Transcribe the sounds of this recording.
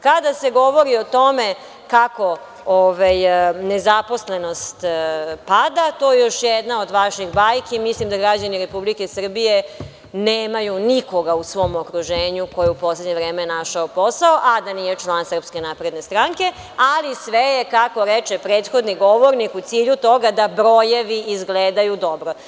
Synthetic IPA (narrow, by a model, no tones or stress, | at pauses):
kad̪ase̞ɡo̞ʋo̞ɾio̞t̪o̞me̞ | kako̞ | oʋajnezapo̞sle̞no̞st̪pad̪at̪o̞jejo̞ʃjed̪nao̞d̪ʋaʃiɣbajkimislimd̪aɡɾad͡ʑaniɾe̞publikesr̩bije̞ | neːmajuniko̞ɡausʋo̞mokɾuʒeːɲuko̞jeupo̞sledɲeʋɾeːmenaʃaopo̞saoʔad̪aniːje̞t͡ʃlˠansər̩pskenaːpɾe̞d̪ne̞st̪ɾaŋke̞ | alisʋejekako̞ɾet͡ʃepɾe̞ːt̪xo̞d̪niɡo̞ʋoɾnikut̪siːʎut̪o̞ɡad̪abɾo̞jeʋiʔizɡleːd̪ajud̪o̞bɾo̞